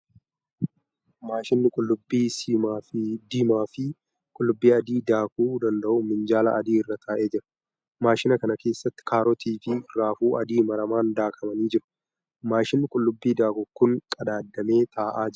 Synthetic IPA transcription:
maːʃɪnːɪkʼʊlːʊbːiːsiːmaːfd̪ɪmaːfɪ | kʼʊlːʊbːiːɐd̪iːd̪aːkuːd̪ɐnd̪ɐʔʊmɪnd͡ʒaːlɐ̰ɐd̪iːɪrːɐt̪ʰaːʔe̞ːd͡ʒɪɾɐ̥ | maːʃɪnɐkɐnɐke̞ːsːɐt̪ːɪ̥kaːɾɔt̪iːfɪraːfuːʔɐd̪iːmɐɾɐmaːnd̪aːkʰɐmɐniːd͡ʒɪɾʊ̥ | maːʃɪnːɪkʼʊlːʊbːiːd̪aːkʊkːʊŋkʼɐd̪aːd̪ːɐme̞ːt̪ʰaːʔaːd͡ʒɪ

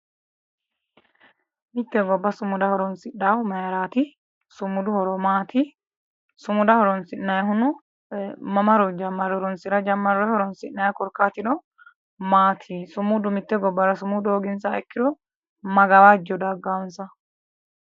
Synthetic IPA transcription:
mɪt̪ːɛɡɔbːɐsʊmːʊd̪ɐhɔɾɔnsɪɗːawmɐjɾaːt̪ɪ | sʊmːʊd̪ʊhɔɾɔmaːt̪ɪ | sʊmʊd̪ɐhɔɾɔnsɪnːɐjɦʊnʊ | mɐmɐɾɔd͡ʒɐmːɐɾɔɾɔnsɪɾɐd͡ʒɐmːɐɾjhɔɾɔnsɪnːɐjkɔɾkːaːt̪ɪd̪ɔ | maːt̪ʰisʊmʊd̪ʊmɪt̪ːɛɡɔbːɐɾɐsʊmʊd̪oːɡɪnsaɛkːɪd̪ɔ | mɐɡɐwad͡ʒɔd̪ɐɡːawɔnsɐ

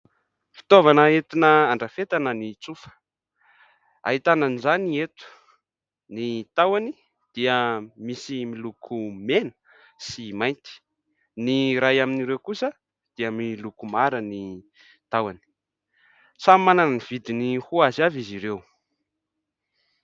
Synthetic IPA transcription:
fi̥t̪ovanəet̪inəaɳɖ͡ʐafet̪anənit͡sufə̥ | a̰ɦit̪ananizaniet̪u̥ | nit̪awani | d̪̥iəmisimilukʰumenə̥ | simajnt̪i̥ | niɾajaminiɾewkusə | d̪̥iəmilukumaɾəni | t̪awani̥ | t͡samimananniv̥id̪inihuazaviziɾew

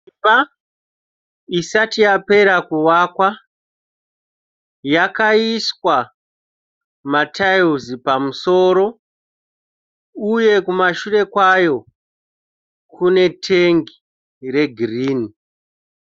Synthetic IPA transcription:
ipa | isatijape̞ɾakuwaːkwa | jakaiswa | matʰajuzipamuso̞ːɾo̞ | uje̞kumaʃure̞kwajo̞ | kʰune̞tʰeŋɡi | re̞ɡʱiriːni

